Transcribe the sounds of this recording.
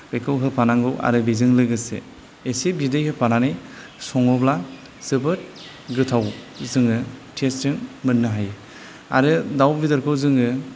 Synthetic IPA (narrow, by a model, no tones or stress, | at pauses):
bekʰɯwɦɯpʰanaŋɡɯwʔa̰ɾɯbizɯŋlɯɡɯsḛː | sebidɯjhɯpananɯj | sɔŋɔbla | sɯbɯt̚ | ɡɯtʰawzɯŋɯtʰestɯŋmɯnːɯɦaj | a̰ɾɯdawbidɯɾkʰɯwzɯŋɯ